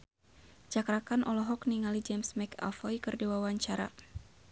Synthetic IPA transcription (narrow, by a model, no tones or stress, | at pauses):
d͡ʒakɾakanʔɔlɔɦɔkniŋalid͡ʒɛmsmɛka̰lfɔjkɨrdiwawaɲt͡ʃaɾa̰